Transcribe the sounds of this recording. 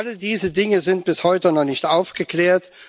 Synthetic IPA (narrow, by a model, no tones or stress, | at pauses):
alədiːzədɪŋəzɪnt̚b̥ɪshɔʏtənɔχnɪçtʔaʊfɡ̥əkleːɐt